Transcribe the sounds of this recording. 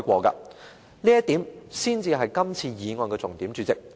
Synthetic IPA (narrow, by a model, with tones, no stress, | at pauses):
jkʷɔː˧kɐ̰ː˧ | liː˥jɐ˥t̪iː˨˥msiː˥nt͡siː˧ɦɐ˨jkɐ˥mt͡sʰiː˧jiː˨˧ŋɔː˨˧nkɛː˧t͡sʊ˨˩ŋt̪i˨˥mt͡ʃyː˨˧t͡sɪ˨k̚